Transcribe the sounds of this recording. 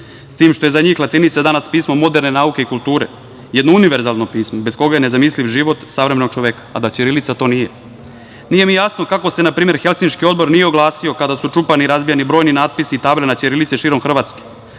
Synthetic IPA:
st̪iːmʃt̪o̞je̞zaɲiːxlˠat̪init̪sad̪anaspiːsmomo̞d̪eɾne̞naːuke̞ikulˠt̪uːɾe̞̰ | jed̪nouniʋe̞ɾzalˠno̞piːsmobesko̞ɡajene̞zamisliʋʒiʋo̞t̪saʋɾemenoɡ̚t͡ʃo̞ʋekḁːd̪at͡ɕeɾilit̪sat̪o̞ːnije | nije̞mijasno̞kako̞se̞napɾiːme̞ɾxelsinʃkio̞d̪bo̞ɾnijeo̞ɡlˠaːsio̞kad̪asut͡ʂupaniɾazbijanibɾojninaːd̪̚pisiːt̪aːbʎʲanat͡ɕeɾilit̪seʃiːɾomxr̩ʋaːt̪ske̥

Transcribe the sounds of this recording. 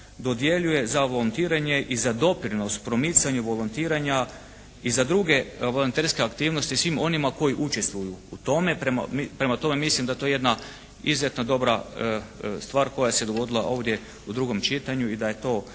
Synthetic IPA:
d̪o̞d̪je̞ʎuje̞zaʋolont̪iːɾaɲe̞ʔizad̪o̞pɾino̞st̪pɾo̞mit̪saɲuʋo̞lont̪iːɾaɲa | izad̪ɾuɡe̞ʋolont̪eɾske̞akt̪iːʋno̞st̪isʋimo̞nimako̞jiʔut͡ʃest̪ʋujuːt̪o̞me̞pɾema̰mipɾe̞mat̪o̞me̞mislimd̪at̪o̞jeje̞d̪na | izzjet̪nad̪o̞bɾa | st̪ʋaːɾko̞jased̪o̞ɡo̞d̪ilˠa̰ʔo̞ːʋd̪je̞ | ud̪ɾuɡo̞mt͡ʃit̪aɲuid̪aje̞t̪o̞ː

